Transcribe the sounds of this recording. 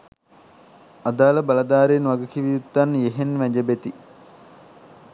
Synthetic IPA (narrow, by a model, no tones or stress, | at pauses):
ad̪aːləbalɐd̪aːɾeːnʋaɡəkiʋiut̪ːanjeɦenʋæd͡ʒəbet̪i